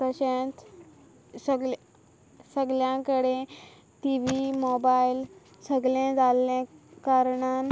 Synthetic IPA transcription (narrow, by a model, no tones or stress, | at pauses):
pəɕẽt̪ | səɡl | səɡljãkəɽe | ʈiʋimobail | səɡlẽd͡zalẽkaɾɳan